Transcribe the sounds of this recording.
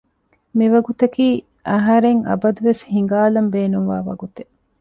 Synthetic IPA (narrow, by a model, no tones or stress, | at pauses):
miʋɐɡut̪ɐkiː | ʔɐɦɐɾeŋɐ̰bɐd̪uʋeshiŋ̆ɡaːlɐmbeːnuŋʋaːʋɐ̰ɡut̪e̥